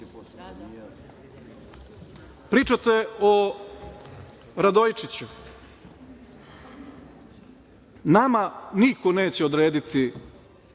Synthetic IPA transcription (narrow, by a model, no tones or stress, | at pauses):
pɾiːt͡ʃat̪eo | ɾad̪ojt͡ʃit͡ɕu | namaniko̞neːt͡ɕeo̞d̪ɾe̞ːd̪it̪i